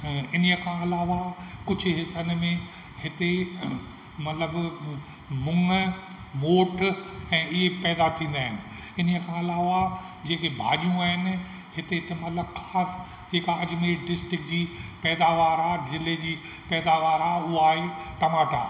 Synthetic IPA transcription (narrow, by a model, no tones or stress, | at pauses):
ɪnəjəkʰãːɐlaːʋakʊd͡ʑʱʊ̆ɦɪsənmẽ | ɦɪt̪e | mɐt̪ləb | mʊ̃ŋ | moːʈɛ̃ːɪɦepɛːd̪at̪ʰĩːn̆d̪aːɦɪnɪ̆ | ɪnəjəkʰãːɐlaːʋa | d͡ʑeːkebʱa̰ːʄijũaːɦɪnɪ̆ | ɦɪt̪et̪emɐt̪ləbxʰaːs | d͡ʑeːkaɐd͡ʑmeɖɪsʈɾɪk̚d͡ʑiːpɛːd̪aʋaːɾaːzɪled͡ʑiː | pɛːd̪aʋaːɾaːuɦaːɦeʈɐmaːʈa̰ː